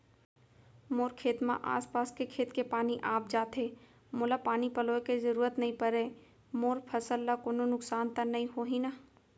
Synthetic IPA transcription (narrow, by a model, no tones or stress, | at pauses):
moːɾkʰeːt̪mã̰ʔa̰ːspaːskekʰeːt̪kepaːniʔaːp̚d͡ʒaːt̪eː | moːlapaːnipɐloːekezɐɾuːɾət̪nɐɦĩpɐɾeː | moːɾpʰəsəlːakoːnonʊksaːnt̪anɐɦĩɦoːɦĩna